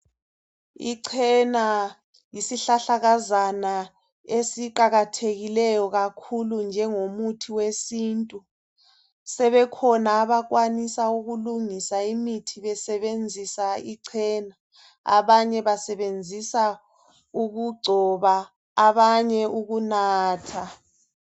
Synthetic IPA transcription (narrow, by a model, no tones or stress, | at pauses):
ḭǀʰɛna | jisiɬaɬaɣazana | esiǃaɣatʰeɣilɛjɔɣakʰulund͡ʒʱɛŋomutʰiwesiːntʼu | sɛβɛkʰɔnaːβak̬wanisauɣuluŋisaimitʰiβɛsɛβend͡zʱisaiǀʰɛːna | a̰βaɲɛβasɛβend͡zʱisa | uɣuɡ͡ǀʱɔβaː | βaɲɛʔuɣunaːtʰa